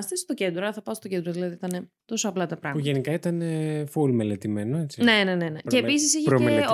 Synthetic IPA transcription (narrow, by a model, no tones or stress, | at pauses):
st̪est̪o̞ce̞nd̪ɾoɐθɐpɐst̪o̞ce̞nd̪ɾoðilɐðiit̪ɐne̞ | t̪o̞soɐplɐt̪ɐpɾɐɣmpumʝenikɐit̪ɐne̞fulmele̞t̪ime̞noet͡si̥nne̞ne̞ne̞neceːpis̬isiçeɾoe